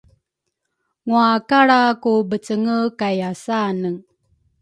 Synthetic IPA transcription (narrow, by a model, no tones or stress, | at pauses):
ŋuakaɽakubət͡səŋəkajasanəŋ